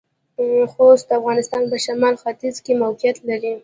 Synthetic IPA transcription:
xost̪̚d̪əafɣɑnɪst̪ɑnpəʃamɑlxat̪izkemawqjat̪laɾi

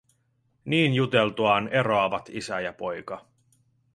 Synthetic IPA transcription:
niːnjut̪e̞lt̪uɑːne̞ɾoɑʋɑt̪isæjɑpo̞jkɑ

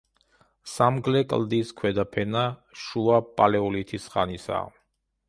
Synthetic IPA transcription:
samɡlɛkʼld̪iskʰwɛd̪apʰɛnaʃuapʼalɛɔlit̪ʰisχanisa̰

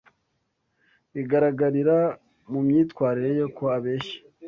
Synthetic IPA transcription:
iɡaɾaɡaɾiɾa | mumɲiːtkwaːɾiɾe̞jo̞koaβeːʃi̥

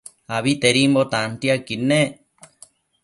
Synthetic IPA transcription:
aβit̪eɾimbot̪ant̪iakine

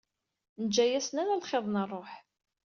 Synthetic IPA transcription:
nəd͡ʒːæjæsnæɾalχeðˤnərˤːoħ

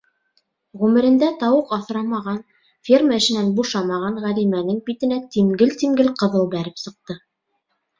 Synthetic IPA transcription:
ʁʉmɘ̆ɾɘ̆nd̪æt̪ɑwɤqɑθɾɑmɑʁɑn | fʲirməɘ̆ʃɘ̆nænbuʃɑmɑʁɑɴʁælimænɘŋbit̪ɘ̆næt̪iŋɡɘlt̪iŋɡɘlqɤ̆ðɤlˠbæɾɘpsɤ̆q̚t̪ɤ

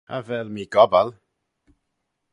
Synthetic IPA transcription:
avɛlˠmiːɡɔbalˠ

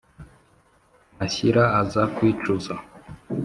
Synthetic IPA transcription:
maɕiɾaːzakwiːt͡ʃuza

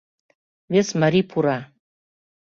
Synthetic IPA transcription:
vesmaɾipʰuɾa

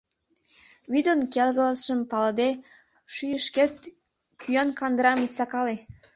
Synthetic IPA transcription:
βyd̪onkelɣələsʃəmpɑləd̪e | ʃyjəʃket̪ | kʰyjɑnkɑnd̪əɾɑmit̪t͡sɑkɑle

